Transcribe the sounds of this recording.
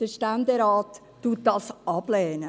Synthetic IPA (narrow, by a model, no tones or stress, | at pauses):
d̥əʃtænd̪eɾɑːtː | uːt̚d̥ɑsɑb̥lɛːnə